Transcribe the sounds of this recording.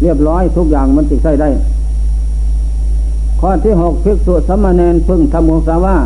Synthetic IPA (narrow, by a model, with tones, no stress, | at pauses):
li˧˩əp̬̚lɔː˧˥˨jt̪ʰu˧˥k̚jaː˨˩ŋma˧˥˨nt̪i˧˩k̚sa˧˩jda˧˩j | kʰɔː˧˩t̪ʰiː˧˩˨ɦɔ˨˩k̚pi˧˦˥k̚su˧˨sa˧˥mːaː˧˨nɛː˧npʰɯ˧˥˨ŋt̪ʰa˧˥moː˧˥˨saː˧˥waː˧˩˨